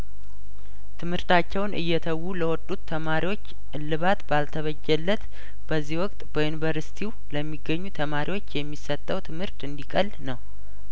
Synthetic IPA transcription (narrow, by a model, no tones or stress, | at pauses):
t̪ʰɨmhɨɾt̪ʰat͡ʃːɛwnʔɨ̰jːɛt̪ʰəwːuləwɔt̪ʼːut̪ʰːəmaɾiwo̞t͡ʃː | ɨlːɨβat̪balt̪ʰəβəd͡ʒːɛlːət̪ | b̥əzːihwɔkʼt̪ʼb̥əjunivəɾsi̥t̪ʰiw | ləmːiɡːəɲːut̪ʰəmaɾʔiwo̞t͡ʃːjɛmːisːət̪ʼːəwt̪ʰɨmhɨɾt̪ɨnd̪ikʼəlnəw